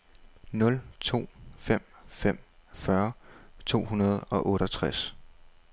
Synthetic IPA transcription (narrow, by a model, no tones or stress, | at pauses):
nɔ̽lt͡sʰo̝̰ːfem̰fem̰fɶɐt͡sʰo̝̰ːhunɐð̞ˠɒ̽ʔɔ̽ːɾɐt͡sʰʁas